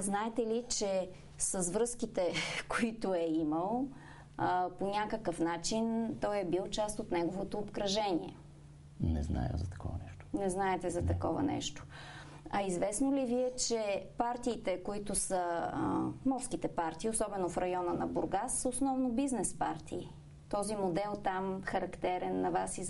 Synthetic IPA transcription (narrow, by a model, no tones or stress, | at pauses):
znaɛt̪ɛlit͡ʃɛ | səzvɾɤskit̪ɛkoit̪ʊɛiməlˠ | ponʲakəkəfnat͡ʃint̪ɔjɛbilˠt͡ʃast̪ot̪nɛɡovot̪oːpkɾɐʒɛnʲḭɛ̰ | nɛ̰zna̰jə̰zɐt̪ɐ̥kɔ̰vɐ̰nɛʃt̪o̥nɛznaɛt̪ɛzɐɐkɔ̰vɐ̰nɛ̰ʃt̪o̥ | ɐizvɛsnoliviɛt͡ʃɛpaɾt̪iːt̪ɛkoit̪ʊsə | mɔɾskit̪ɛpaɾt̪iːosɔbɛnofɾɐjɔnənɐbʊɾɡasəosnɔvnobiznɛspa̰ɾt̪ʰiː | t̪ɔzimod̪ɛlˠt̪amxɐɾɐkt̪ɛɾɛnːɐvasi